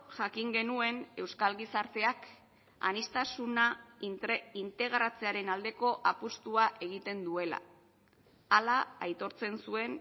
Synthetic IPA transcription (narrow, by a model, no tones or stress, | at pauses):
ʝakiŋɡe̞nue̞ne̞wskalɣisaɾt̪e̞ak | a̰nist̪asuna | int̪e̞ɣɾat͡se̞aɾe̞nald̪e̞ko̞ʔapust̪uaʔe̞ɣ̞it̪e̞nd̪ue̞la̰ | alaːjt̪o̞ɾt͡se̞nsue̞n